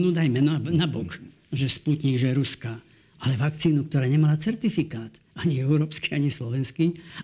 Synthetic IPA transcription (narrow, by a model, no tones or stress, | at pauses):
nuːd̪ajmɛnɔnabɔk | ʒɛsput̪ɲiɡʒɛɾuska | alɛʋakt͡siːnukt̪ɔɾaːɲɛmalat͡sɛɾt̪ifikaːt̪ | aɲiɛʊɾɔːpskiaɲislɔʋɛnski